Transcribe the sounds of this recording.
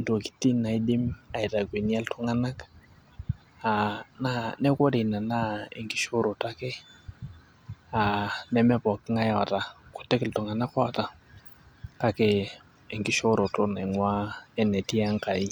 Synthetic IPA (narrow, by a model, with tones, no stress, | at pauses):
nto˨ki̥˦ti˦na˨i˦dɪ˦ma˨i˨ta˨ke˨ni˦a˦ltʊ˦ŋa˦na˦k | a˨na˦nɛ˦ko˦de˨na˨na˦e˨ŋki˦ʃo˦ɾo˨ta˦ke˦ | a˨nɛ˦mɛ˦pɔ˨kːɪ˦ŋa˦ja˨ta˨ko̥˨tɛ˦kɪ˨ltu˨ŋa˨na˦kɔ˦˨ta˨ | ka˦keː˨ | ŋɡi˦ʃo˦ɾo˨to˦na˨ŋwa˦ɛ˨nɛ˨ti˦a˦ŋka˨i˦